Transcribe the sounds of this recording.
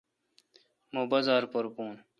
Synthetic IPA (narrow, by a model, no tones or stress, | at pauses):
mobɐzaːɾpoɾpuːn